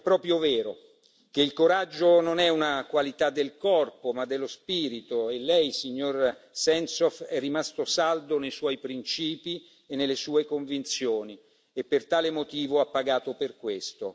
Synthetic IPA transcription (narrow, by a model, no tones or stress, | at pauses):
ɛpːɾɔːpɾjovɛːɾo | k̟eilkoɾad͡ʒːononɛunakwalit̪ad̪ːelkɔrpomad̪ːelːospiːɾit̪oelːɛjsiɲːorsɛnsɔfɛrːimast̪osald̪onejswɔjpɾint͡ʃiːpi | enːelːesuːekoɱvint̪sjoːni | epːert̪aːlemot̪iːvoapːaɡaːt̪operkwest̪o